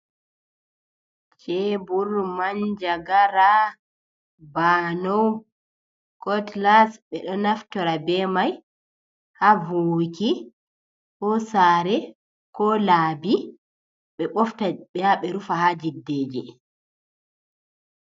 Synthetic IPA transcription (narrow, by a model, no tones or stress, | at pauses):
t͡ʃɛbuɾmaɲd͡ʒaɡaɾa | baːnɔw | kɔtlasɓɛɗɔnaftɔɾabɛmaj | havoːki | kɔsaːɾɛ | kɔlaːbi | ɓɛɓɔftaɓɛjaɓɛɾufahad͡ʒidːeːd͡ʒḭ